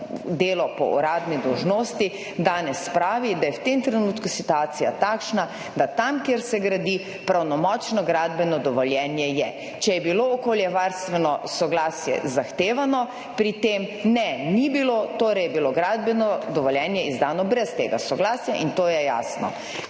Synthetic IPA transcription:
d̪eːlɔpɔ̰ʔṵɾaːd̪nid̪ɔwʒnoːst̪i | d̪aːnɛspɾaːʋid̪ajɛwt̪emt̪ɾɛnuːt̪kusit̪uaːt̪sijat̪aːkʃna | d̪at̪amkjeɾsɛɡɾad̪i | pɾawnɔmɔt͡ʃnɔɡɾaːd̪bɛnɔd̪ɔʋɔljɛnjɛjɛ | t͡ʃɛjɛbiloːkoljɛʋaɾst̪ʋɛnɔsɔɡlaːsjɛ̰zaxt̪eːʋanɔ | pɾit̪emnɛnibilot̪oːɾɛjɛbiloɡɾaːd̪̚bɛnɔd̪ɔʋɔljɛːnjɛizd̪aːnɔbɾɛst̪eːɡasɔɡlaːsjaʔint̪oːjɛja̰ːsnɔ̰

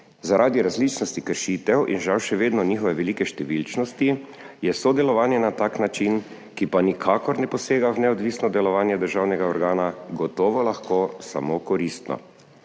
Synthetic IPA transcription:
zaɾʔaːd̪iɾazlit͡ʃnɔst̪ikəɾʃiːt̪ɛwʔḭnʒawʃɛʋeːd̪nɔnixɔʋɛʋɛlikɛʃt̪ɛʋilt͡ʃnɔst̪i | jɛsod̪ɛlɔʋaːnjɛnat̪aːknat͡ʃin | kipanikʰaːkɔɾnɛpɔseːɡawnɛɔd̪ʋiːsnɔd̪ɛlɔʋaːnjɛd̪əɾʒaːwnɛɡaɔɾɡaːnaɡɔt̪ɔːʋɔlaxkoːsa̰mokɔɾist̪nɔ̰

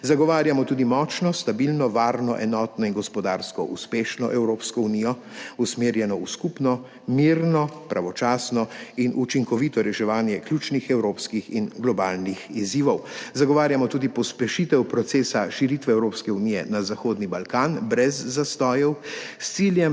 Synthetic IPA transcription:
zaɡɔʋaːɾjamɔt̪uːd̪imɔːt͡ʃnɔst̪abilnɔʋaːɾnɔʔɛnɔːt̪nɔinɡɔspɔd̪aːɾskɔʔuspeːʃnɔʔɛwɾoːpskɔunijɔ | usmeːɾjɛnɔuskupnɔ | miːɾnɔpɾaʋɔt͡ʃaːsnɔinʔut͡ʃiŋkɔʋit̪ɔɾɛʃɛʋaːnjɛkljut͡ʃnixɛwɾoːpskixinɡlɔbaːlnixiziːʋɔwzaɡɔʋaːɾjamɔt̪uːd̪ipɔspɛʃit̪ɛwpɾɔt̪seːsaʃiɾit̪ʋɛɛwɾoːpskɛuniːjɛ̰nazaxoːd̪nibalkaːnbɾɛzːast̪ɔːjɛwst̪siljɛm

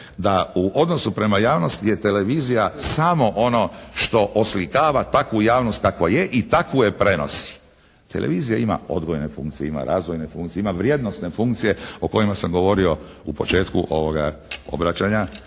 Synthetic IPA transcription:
d̪auʔo̞d̪no̞supɾe̞majaːʋno̞st̪ije̞t̪e̞le̞ʋizijasamo̞ʔo̞no̞ʃt̪o̞ʔoslikaːʋat̪akʋujaːʋno̞st̪̚kakʋaje̞ʔit̪akuje̞pɾe̞no̞̰si̥ | t̪e̞̰lʔe̞̰ʋiːzijaima̰o̞̰d̪ɡojne̞fṵŋkt̪sijeima̰ɾa̰ːzʋojne̞fuŋkt̪sieimaʋɾje̞d̪nost̪ne̞fuŋkt̪sije̞o̞ko̞imasamɡo̞ʋo̞ɾio̞ | upo̞t͡ʃe̞ːt̪kṵʔo̞ʋo̞ɡa̰o̞̰bɾat͡ɕaɲa

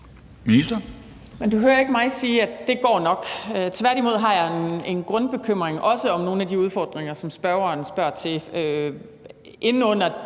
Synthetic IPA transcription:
minisd̥ɐ | mend̥uɦøːɐe̝ɡ̥əmɑ̈ɪsiːæ̥d̥e̝ɡ̥ɒ̰ːnɒ̽ɡ̥øt͡sʰʋæɐɾimo̝ð̞̰ˠɦɑ̈jɑ̈ene̝nɡ̥ʁɔ̽nb̥e̝kʰøm̰ʁeŋʔɒ̽səɒ̽mno̝ːn̩æd̥iuð̞ˠfɒ̰ːd̥ʁeŋɐsɒ̽msb̥ɶɐʊɐːnsb̥ɶɐ̰t͡sʰe̝ø | ʔe̝nn̩ɔ̽n̰ɐ

